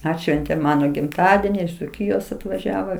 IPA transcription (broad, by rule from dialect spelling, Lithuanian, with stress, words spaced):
ˈɑːtʲʃʲʋʲɛnʲtʲeːm ˈmɑːnoː ɡʲɪmˈtɑːdʲɛnʲɪ ɪʃ d͡zʊˈkʲiːjoːs ɐtʋɐˈʒʲæːʋoː